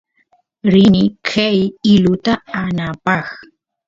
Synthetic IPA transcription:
ɾɪnɪkʰajɪlʊt̪aanapɑχ

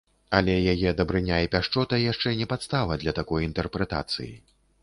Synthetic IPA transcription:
ɐlʲɛjajɛd̪ɐbɾɨnʲaipʲaʂt͡ʂɔt̪ɐjaʂt͡ʂɛnʲɛpat̪st̪avɐd̪lʲɐt̪akɔjint̪ɛrpɾɛt̪a̰t̪sɨ̰jḭ

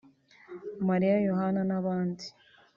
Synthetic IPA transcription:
maɾijajoɦananaβaːndi

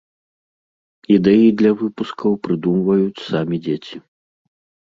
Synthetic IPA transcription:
id̪ɛjid̪lʲɐvɨpuskɐwpɾɨd̪umvɐjut͡sʲsamʲid͡zʲet͡sʲi

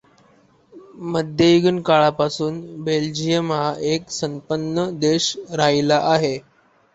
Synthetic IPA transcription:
məd̪ʱjəiɡənkaɭapasuːnbeld͡ʑijəmaeksəmpənːəd̪eɕɾailaʔaɦe

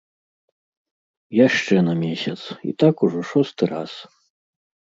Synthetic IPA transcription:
jaʂt͡ʂɛnɐmʲesʲat̪sḭt̪akuʐɔʂɔst̪ɨɾa̰s

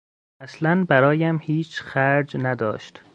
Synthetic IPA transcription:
æslænbæɾɒːjæmhiːt͡ʃʰxæɾd͡ʒnæd̪ɒ̰ːʃt̪

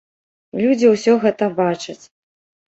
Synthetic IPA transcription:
lʲud͡zʲiwsʲɔɣɛt̪ɐbat͡ʂɐt͡sʲ

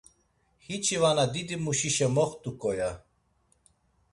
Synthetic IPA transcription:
hit͡ʃʰivanad̪id̪imuʃiʃɛmɔχt̪ʼukʼɔja

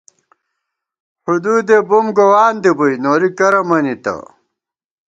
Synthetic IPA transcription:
hud̪uːd̪ebumɡowaːnd̪ibujnoːɾikɐɾɐmɐnit̪ɐ̰

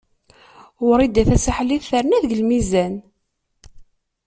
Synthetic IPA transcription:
wʊɾˤid̪æθæsaħliθəɾnæðɡəlmizæn

